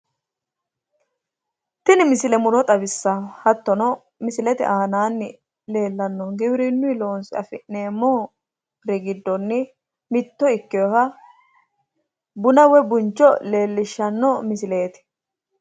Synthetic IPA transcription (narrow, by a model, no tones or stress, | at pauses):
t̪ɪnɪmɪsɪlɛmʊɾɔt̪ʼɐbɪsːɐhɐt̪ːɔnɔ | mɪsɪlɛt̪ɪ̰ʔaːnaːnːɪ | le̞ːlːɐnːɔɡɪbɪɾɪnːʊɪlo̞ːnsɪɐ̰fɪʔne̞ːmːɔ | ɾɛɡɪd̪ːɔnːɪ | mɪt̪ːɔɪkːɪjɔhɐ | bʊnɐwɛbʊnt͡ʃːɔle̞ːlːɪʃːɐnːɔmɪsɪle̞ːt̪ɪ̥